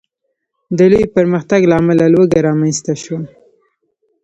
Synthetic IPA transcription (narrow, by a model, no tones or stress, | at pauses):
d̪əlujpəɾməxt̪aɡlaːmalalwəɡaɾɑmanst̪aʃwa